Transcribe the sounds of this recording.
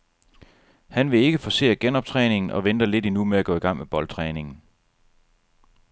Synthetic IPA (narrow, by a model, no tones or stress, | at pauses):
hænʋe̝e̝ɡ̥əfɒ̽se̝̰ːæɡ̥enɒ̽b̥̚t͡sʰʁɛːne̝ŋn̩ʔɒ̽ʋend̥ɐle̝d̥inumeæɡ̥ɔ̽ːiɡ̥ɑ̈ŋ̰meb̥ɒ̽lt͡sʰʁɛːne̝ŋn̩